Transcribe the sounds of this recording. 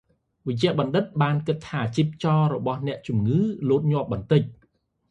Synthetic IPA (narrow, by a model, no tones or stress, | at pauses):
ʋəc̚t͡ɕɛ̆əʔɓɑnɗɨt̪̚ɓaːnkɨt̪ʰːaːt͡ɕiːp̚t͡ɕɑːɾɔɓɑhnɛ̆əʔt͡ɕumŋɨːloːt̪̚ɲŏəp̚ɓɑnt̪ɨc̚